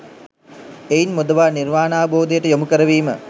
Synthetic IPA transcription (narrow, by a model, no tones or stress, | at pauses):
ejinmud̪əʋaːnirʋaːnaːʋəboːd̪ijəʈəjomukəɾəʋiːmə